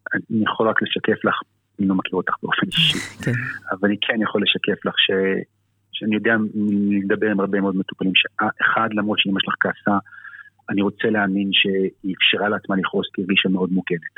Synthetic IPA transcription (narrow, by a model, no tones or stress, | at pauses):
anijaχo̞lʁakle̞ʃakeflaχ | lo̞makʰiʁot̪ḁχb̥eo̞feniʃiavalanikʰenjaχo̞lːe̞ʃake̞flaχʃe | ʃeanijo̞d̪eaed̪abe̞ʁimaʁbemeo̞d̪met̪u̥palimʃeaʔeχad̪lamʁo̞t̪ʃeimjeʃlaχkaːsa | aniʁo̞t͡se̞leaminʃe̞iːfʃiʁaleat͡smaliχo̞skiiʁɡiʃameo̞dmuɡenet